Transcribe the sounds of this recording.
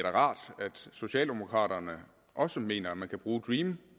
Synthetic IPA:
ɐɾæʁɑ̈ːd̥æd̥so̝ɕɛ̰ːld̥emo̝kʰʁɑ̰̈ːɾ̥ɐnə | ʔɒ̽səme̝̰ːnɐæmænkʰæb̥ʁuːd̥ʁiːm

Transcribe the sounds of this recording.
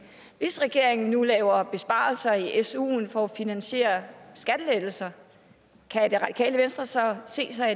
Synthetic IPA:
ʋe̝sʁɛɡ̥e̝ɐ̰eŋn̩nulɛːʊɐb̥e̝sb̥ɑ̰̈ːlsɐiʔesṵːnfɒ̽æfinænɕe̝̰ːɐsɡ̥æd̥əleð̥l̩sɐ | kʰæd̥e̝ʁɑ̈d̥i̥kʰɛ̰ːləʋensd̥ʁɐsɒ̽se̝̰ːsɑ̈ɪ

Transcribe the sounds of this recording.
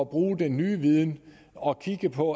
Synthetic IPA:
ɒb̥ʁuːd̥enːyːʋið̞ˠn | ɒ̽kʰiɡ̥əpʰɒ̽

